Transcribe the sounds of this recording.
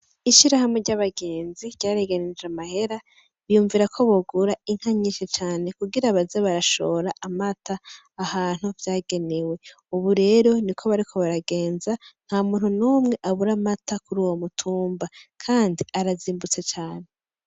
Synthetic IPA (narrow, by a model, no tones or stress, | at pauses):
iʃiɾahamweɾɟaβaɡe̞ːnziɾɟaːɾeɡenid͡ʒamahe̞ɾa | βijuːɱviɾakʰo̞βoɡuɾaiŋ̥haɲiːʃet͡ʃaːne̞kuɡiɾaβazeβaɾaʃo̞̰ɾaʔamataː | haːn̥huvjaːɡe̞ne̞we̞ | uβuɾe̞ːɾo̞nikʰoβaɾikʰo̞βaɾaɡe̞ːnzaŋ̥haːmuːn̥hunuːmŋe̞ʔaβuɾamatakuɾuːwomutʰuːmbakʰaːndiaɾaziːmbut͡set͡ʃaːne̞